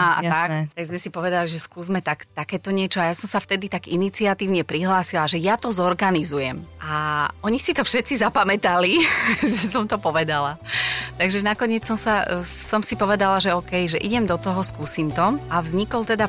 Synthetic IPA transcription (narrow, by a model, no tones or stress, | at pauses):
aat̪akt̪aɡzmɛsipɔʋɛd̪aliʒɛskuːzmɛt̪akt̪akɛːt̪ɔɲɪɛt͡ʃɔajasɔmsaft̪ɛd̪it̪aɡinit͡siat̪iːʊɲɛpɾiɦlaːsilaʒɛjat̪ɔzɔɾɡanizujɛmʔaʔɔɲisit̪ɔfʃɛt̪t͡sizapamɛt̪aliʒɛsɔmt̪ɔpɔʋɛd̪alat̪aɡʒɛnakɔɲɪɛt͡ssɔmsasɔmsipɔʋɛd̪alaʒɛɔːkɛjʒɛʔiɟɛmd̪ɔt̪ɔɦɔskuːsimt̪ɔavzɲikɔlt̪ɛd̪a